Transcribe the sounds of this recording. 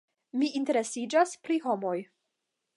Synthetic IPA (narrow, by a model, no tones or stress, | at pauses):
miinte̞ɾe̞sid͡ʒaspɾiɦo̞mo̞j